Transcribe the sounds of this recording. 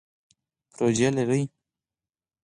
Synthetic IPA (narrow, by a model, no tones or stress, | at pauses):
pɾod͡ʒalaɾəj